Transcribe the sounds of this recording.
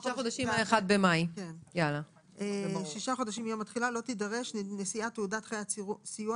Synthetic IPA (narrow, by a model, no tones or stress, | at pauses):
ʃaχodaʃimaeχad̪̚bemajkenjala | eʃiʃaχo̞daʃimijomat̪χilalo̞t̪idaʁe̞ʃnnesiat̪eudat̪χejausiju